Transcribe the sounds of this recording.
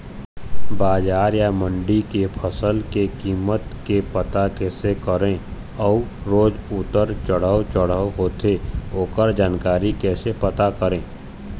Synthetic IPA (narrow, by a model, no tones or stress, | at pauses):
baːd͡ʒaːɾjamə̃ɳɖikepʰəsəlkekiːmət̪kepət̪akɛːsekəɾẽ | ɔːɾoːd͡ʒʊt̪əɾt͡ʃəɽ̤əot͡ʃəɽ̤əɦoːt̪eoːkəɾd͡ʒaːnkaːɾikɛːsepət̪akəɾẽː